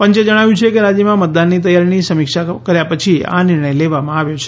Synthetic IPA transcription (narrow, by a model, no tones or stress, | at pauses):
pəɲt͡ʃed͡ʒəɽ̃aʋjũt͡ʃʰekeɾad͡ʒjəmãmət̪̚d̪anːit̪̬əjaɾnisəmikʃakəɾjapət͡ʃʰia̰nɪɾɳəjleʋamãaʋjot͡ʃʰe̥